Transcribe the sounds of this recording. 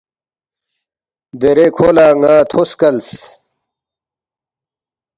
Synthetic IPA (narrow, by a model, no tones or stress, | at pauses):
d̪eɾekʰoːlaːŋãːt̪ʰoskɐls